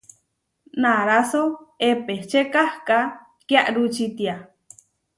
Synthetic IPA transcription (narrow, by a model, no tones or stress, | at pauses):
naɾasoepeht͡ʃekahka | kjaʔɾut͡ʃit̪ia